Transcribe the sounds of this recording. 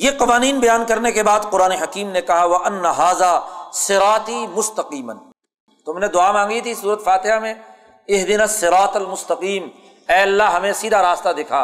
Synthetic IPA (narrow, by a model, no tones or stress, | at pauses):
jeqɐʋaːniːnbɐjaːnkɐɾnekebaːd̪qʊɾaːneɦɐkiːmnekɐɦaʋɐʔɐnːɐɦaːzaːsɪɾaːt̪imʊst̪ɐqiːmɐn | t̪ʊmned̪ʊaːmãːŋɡit̪ʰisuːɾət̪faːt̪ɪɦamẽ | ɪɦd̪ɪnɐsːɪɾaːt̪ɐlmʊst̪ɐqiːm | ɛːɐlːaɦɐmẽsiːd̪ʱaɾaːst̪ad̪eːkʰaː